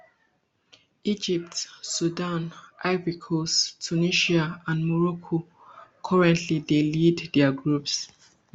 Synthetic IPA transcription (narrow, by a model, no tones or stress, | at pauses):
id͡ʒip̚tsudãnʔavikʰostʰuniʃiaãnmɔɹɔkʰo | kʰɔɹɛ̃ntʰlideliddɛaɡɹups